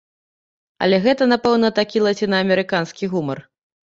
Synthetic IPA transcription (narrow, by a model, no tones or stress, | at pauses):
ɐ̰lʲɛɣɛt̪ɐnapɛwnɐt̪akʲilˠɐt͡sʲinɐːmʲɛɾɨkanskʲiɣumɐr